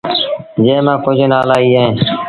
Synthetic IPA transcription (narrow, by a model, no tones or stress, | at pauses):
d͡ʒẽːmãːkod͡ʒeːnaːlaːiːɦeẽː